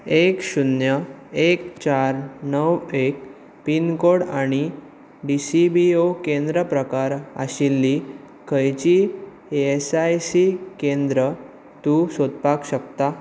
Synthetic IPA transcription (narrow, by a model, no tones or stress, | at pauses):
ekɕunjəekt͡ɕaɾnəwek̚ | pinkoɽaɽ̃i | ɖisibiokẽnd̪ɾəpɾəkaɾa̰ɕilːi | kʰəjt͡ɕi | esajsikend̪ɾə | t̪uːsod̪̚pakɕəkt̪a